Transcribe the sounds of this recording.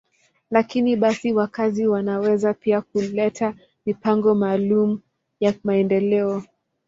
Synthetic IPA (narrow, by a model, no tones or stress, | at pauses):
lakiniɓasiwakaziwanawɛzapiak̚ulɛtʰa | mipaŋɡɔmaːlumu | jamaɛndɛlɛɔ